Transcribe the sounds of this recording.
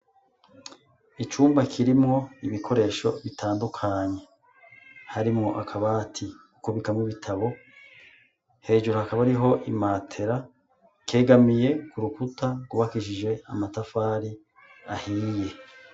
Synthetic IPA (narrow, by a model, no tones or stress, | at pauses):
it͡ʃuːmbakʰiɾimŋo̞iβikʰo̞ɾe̞ːʃo̞̰βitʰaːndukʰaɲe̞ | haɾimŋo̞ʔakʰaβatʰi | ukuβikamŋiβitʰaβo̞ | he̞ːʒuɾuhakaβaɾiɦo̞ʔimaːtʰe̞ɾa | ke̞ːɡamije̞kuɾukutʰaɡuβakiʃid͡ʒe̞a̰matafaɾi | ahije̞